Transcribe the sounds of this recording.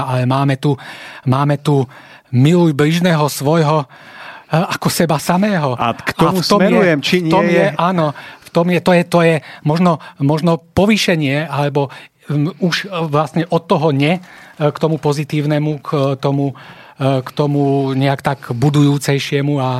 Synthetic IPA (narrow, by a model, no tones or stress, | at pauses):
alɛmaːmɛt̪umaːmɛt̪u | milujbliʒnɛːɦɔsʋɔjɦɔ | akɔsɛbasamɛːɦɔktɔmft̪ɔmɛɾujɛmt͡ʃiɲɔmjɛʔaːnɔft̪ɔmjɛt̪ɔjɛt̪ɔjɛmɔʒnɔmɔʒnɔpɔʋiʃɛɲɪɛalɛbɔ | uʃʋlasɲɛʔɔt̪ːɔɦɔɲɛkt̪ɔmupɔzit̪iːʊnɛmukt̪ɔmu | kt̪ɔmuɲɛakt̪aɡbud̪ujuːt͡sɛjʃɪɛmua